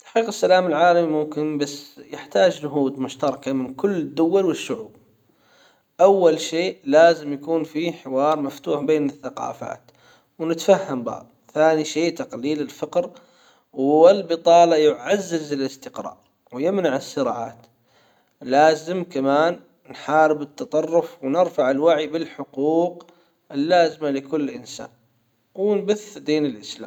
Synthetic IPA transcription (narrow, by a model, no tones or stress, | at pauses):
t̪ḁħqiːqɪsːalaːmɪlʕaːlamimʊmkɪnbasːjɪħt̪aːd͡ʒd͡ʒʊɦuːd̪mʊʃt̪ɑɾˤɑkamɪnkʊlːɪd̪ːʊwalwɪʃːʊʕuːb̚ | ʔawːalʃeːʔlaːzɪmjakuːnfiħɪwɑːɾˤmaft̪uːħbeːnɪθːaqɑ̰ːfa̰ːt̪ | wnɪt̪fahːambɑ̰ː | θaːniʃeːʔt̪aqliːlɪlfɪqɾ | wɪlbɨt̪ˤɑːlɑjʊʕazːɪzɪlɪst̪ɪqɾˤɑ̰ːɾˤ | wjɪmnaʕɪsːɪɾa̰ːʕa̰ːt̪ | laːzɪmkamaːnː | ħɑːɾɪbɪt̪ːɑt̪ˤɑrˤːʊfwnɪɾfaʕɪlwaʕibɪlħʊquːq | ʔɪlːaːzɪmalɪkʊlːʔɪnsa̰ːn | wɪnbʊθd̪iːnɪlʔɪsla̰ːm